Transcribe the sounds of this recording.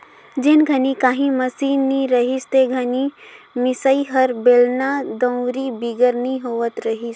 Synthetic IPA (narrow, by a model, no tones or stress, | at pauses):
d͡ʒenɡʱənikaːɦĩməsiːnːiɾəɦist̪eɡʱəni | mɪsəiɦəɾbeːlnad̪ə̃ʊɾibiɡəɾniɦoʋət̪ɾəɦis